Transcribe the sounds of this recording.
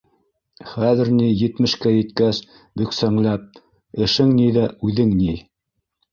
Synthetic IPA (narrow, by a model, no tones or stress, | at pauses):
χæðɘ̆ɾnijɘ̆t̪mɘ̆ʃkæjɘ̆t̪kæs | bɵ̆ksæŋlæp̚ | ɘ̆ʃɘŋniðæʔʉðɘŋni